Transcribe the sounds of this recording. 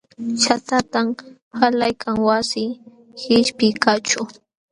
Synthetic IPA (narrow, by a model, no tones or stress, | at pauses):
ʃat̪at̪am | halajkʰaŋwasɪ | hɪʃpɪkat͡ʃʊ